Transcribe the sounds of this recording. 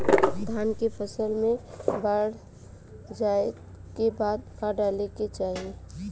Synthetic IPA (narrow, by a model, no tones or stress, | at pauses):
d̪ʱaːnkepʰəsəlmẽbaɽ | d͡ʒae | kebaːt̪̚kaɖaleket͡ʃaːɦie